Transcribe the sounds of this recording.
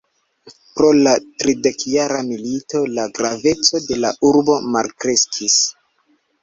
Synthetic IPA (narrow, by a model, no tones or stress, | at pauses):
pɾo̞latɾide̞kjaɾamilito̞laɡɾave̞t͡so̞de̞la̰ʔuɾbo̞malkɾe̞skʰis